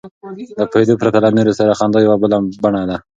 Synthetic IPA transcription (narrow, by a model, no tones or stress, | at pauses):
d̪əpaed̪opɾat̪alaneɾosaɾaxɑnd̪ojawabəlabaɳad̪a